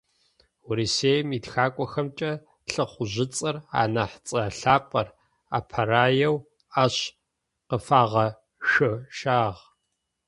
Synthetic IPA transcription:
wʊɾiseːjmiːtxaːkʷʼɔxɐmt͡ʃʼɐ | ɬɨχʷʊʑɪt͡sʼɐra̰ːnɐħt͡sʼɐɬaːpʼɐr | a̰ːpʰɐraːjɛw | aɕ | qəfaːʁɐ | ʃɨʃaːʁ

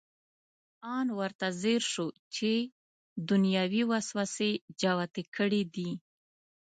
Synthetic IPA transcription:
ɑnwəɾt̪azeɾʃot͡ʃe | d̪ʊnjɑwiwaswased͡ʒawat̪ekʰəɽid̪i

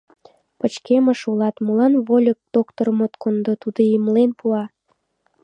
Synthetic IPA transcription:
pə̆t͡ɕkemə̆ʃulɑt̪mulɑnβolʲək̚d̪̥okt̪ormot̪kond̪ot̪ud̪ojəmlenpuɑ

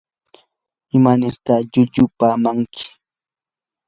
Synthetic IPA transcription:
ɪmanɪɾt̪aʎʊʎʊpaːmaŋkʰɪ̥

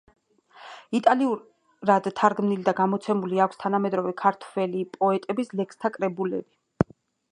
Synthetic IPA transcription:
it̪ʼaliuɾ | ɾad̪t̪ʰːaɾɡmnilid̪aɡamɔt̪sʰɛmuliakʷʰst̪ʰanamɛd̪ɾɔvɛkʰaɾt̪ʰwɛlipʼɔɛt̪ʼɛbislɛkst̪ʰakʼɾɛbulɛbi

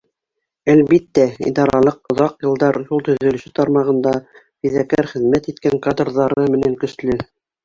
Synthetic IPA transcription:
ælβit̪ːæḭd̪ɑɾɑlˠɤqŏðɑqjɤ̆lˠd̪ɑɾjulˠt̪ɵ̆ðɵ̆lɵ̆sɘt̪ɑɾmɑʁɤ̆nd̪ɑ | fiðækæɾχɘ̆ðmæt̪it̪kæŋkad̪rðɑɾɤmɘ̆næŋkɵ̆slɘ

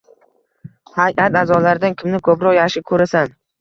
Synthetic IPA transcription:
hajʔat̪azɒlaɾɪd̪ankʲʰɪmnɪkʰɵpɾɒqjaʃɪkʰɵɾasan

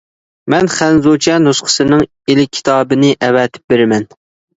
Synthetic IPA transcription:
mɛnχænzot͡ʃʰɛnusqʰə̥sɨnɨŋ | elɪkʲʰːi̥t̪ʰɑːbɨnɪʔɛvɛt̪ʰɪ̥p̚beɾɪmɛn

